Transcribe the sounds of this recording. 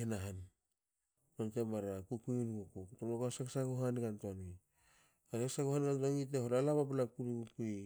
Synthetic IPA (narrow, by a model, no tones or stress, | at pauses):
enaɦan | kantemaɾakukunkukuktomlokoasaksakoɦanɡantoŋi | asaksaɡohanɡantoŋit̬ehoɾalaβapalakuɾikukui